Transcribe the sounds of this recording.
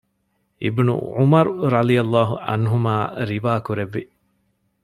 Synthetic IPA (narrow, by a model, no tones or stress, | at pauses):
ʔḭbnṵʕumɐɾuɾɐd̪ijɐlːaːɦuʔɐ̰nɦumaːɾiʋaːkuɾeʋːi